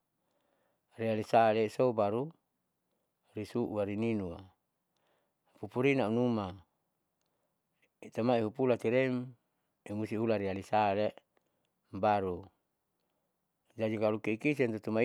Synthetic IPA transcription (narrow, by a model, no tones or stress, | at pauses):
rialisalesobaɾu | ɾisuʔuaɾininua | pupuɾinaunuma | it̪amaiɦupulat̪iɾɛm | imusiɦulaɾialisale | mbaɾu | d͡ʒad͡ʒikalukiikis̬ɛnt̪ut̪uma